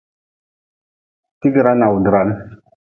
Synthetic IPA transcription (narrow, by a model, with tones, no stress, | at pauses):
ti˦ɡɾa˦na˨wu˨dɾa˦n